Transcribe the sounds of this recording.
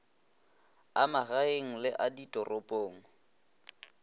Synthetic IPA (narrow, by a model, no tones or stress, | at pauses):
amaɣaeŋ̩lɪʔaditʼɔrɔpʼoːŋ̩